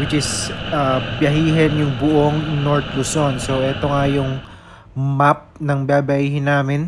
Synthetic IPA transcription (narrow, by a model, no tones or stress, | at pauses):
wɪt͡ʃɪsabjɐɦiːɦɛnjʊŋbʊʔoŋnoɹt̪ɾʊsonso̞ʔɛt̪o̞ŋajʊŋ | map̚nɐŋbaːbɐʔiːhɪnːaːmɪn